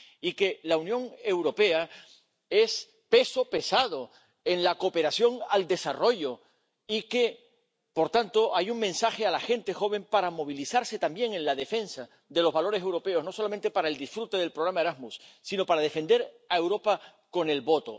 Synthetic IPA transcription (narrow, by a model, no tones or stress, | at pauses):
ike̞launjõ̞ŋe̞wɾo̞pe̞a | e̞s | pe̞so̞pe̞sað̞o̞ | e̞nlako̞pe̞ɾasjo̞ŋald̪e̞saro̞ʝo̞ | ike̞ | po̞ɾt̪ant̪o̞ʔajuŋmẽ̞nsaxe̞alaxe̞nt̪e̞xo̞β̞e̞mpaɾamo̞β̞ilisaɾse̞t̪ambje̞ŋe̞nlaðe̞fe̞nsa | d̪e̞lo̞zβalo̞ɾes̬e̞wɾo̞pe̞o̞sno̞so̞lamẽnt̪e̞paɾae̞ld̪isfɾut̪e̞ðe̞lpɾo̞ɣɾamaeɾazmusːino̞paɾað̞e̞fe̞nd̪e̞ɾ | ae̞wɾo̞pa | ko̞ne̞lβo̞t̪o̞̰